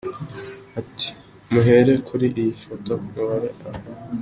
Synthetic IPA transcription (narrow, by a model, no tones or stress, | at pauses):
ati̥ | muɦe̞ɾe̞kʰuɾiʔijifoto̞muβaɾe̞aho